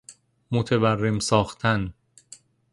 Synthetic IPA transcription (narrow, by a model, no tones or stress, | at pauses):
mot̪ʰeværːemsɒːxt̪ʰæn